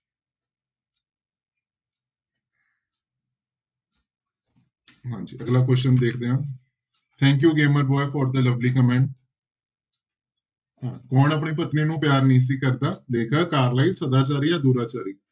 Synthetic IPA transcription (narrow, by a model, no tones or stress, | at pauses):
ɦãːd͡ʒiːəɡlaːk̬wɛst͡ʃənd̪eːkʰd̪eːãː | t̪ʰɛ̃ːŋk̬juːɡeːməɾbɔːjfʰɔːɾd̪ələʋliːkəmɛ̃ːɳʈ | ãːkɔːnəp̬ɳiːpət̪niːnũːpjaːɾnĩːs̬iːkəɾd̪aːleːkʰəːkaːɾlaːiːsəd̪aːt͡ʃaːɾiːaːd̪uːɾaːt͡ʃaːɾiː